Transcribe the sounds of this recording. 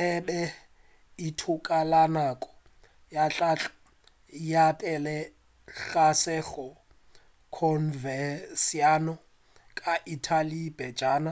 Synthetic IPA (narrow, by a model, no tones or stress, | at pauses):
ɛbɛ | itʰʊkʼalanakʼɔ̥ | jat͡ɬa | japʼɛlɛ | ɬasɛɣɔ | kʰɔnvɛsianɔ | kʼaʔitʰalibɛd͡ʒaːna